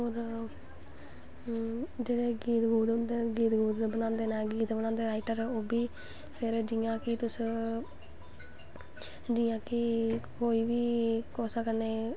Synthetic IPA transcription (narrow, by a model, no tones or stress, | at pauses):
ɦoːɾ | d͡ʒeːɽeːɡiːt̪ɡuːd̪nd̪eɡiːt̪ɡuːd̪bənãːnd̪eːnɛːɡiːt̪bənaːnd̪eːɾaːɪʈəɾoːbiː | pʰɪɾd͡ʒiːãːkɪt̪ʊs | d͡ʒiːãːkɪkoːiːʋiːkoːsəkəneː